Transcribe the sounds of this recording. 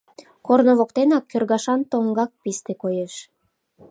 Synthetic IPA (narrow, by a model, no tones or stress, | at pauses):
kornoβokt̪enɑkʰʲːørɣɑʃɑnt̪oŋɡɑk̚pist̪ekojeʃ